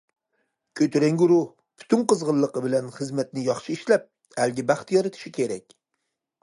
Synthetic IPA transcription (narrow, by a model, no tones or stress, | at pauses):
kʲʰøt̪ʰyɾɛŋɡʲyɾʊh | b̥ʰy̥t̪ʰynqəzʁəlˠːəqəbɪlɛnχɨzmɛt̪nɪjɑχʃɨiʃlɛp̚ | ælɡʲɪbæχt̪jɒɾɨt̪ʰɪ̥ʃikʲʰeɾɛk̚ʲ